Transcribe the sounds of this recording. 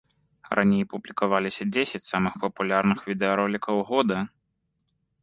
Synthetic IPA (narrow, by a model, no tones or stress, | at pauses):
rʔa̰nʲejpublʲikavalʲisʲɐd͡zʲesʲɛt͡sʲsamɨxpɐpulʲarnɨxvʲid̪ɛɐɾɔlʲikɐwɣɔd̪ɐ